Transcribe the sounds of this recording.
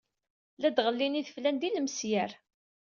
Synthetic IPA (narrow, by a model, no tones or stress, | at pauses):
læd̪ʁəlːiniθəflænd̪iləmsjæɾ